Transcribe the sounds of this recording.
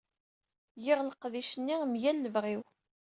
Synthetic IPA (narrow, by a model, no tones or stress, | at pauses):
jɪʁləqðiʃənːimjælːəvʁiw